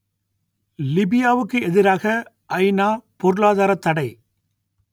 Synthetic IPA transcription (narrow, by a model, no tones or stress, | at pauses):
lɪbɪjaːʋɯkːɯɛðɪɾaːɣɐ | ʔɐɪnaːpɔɾɯɭaːðaːɾɐt̪ːɐɽɐɪ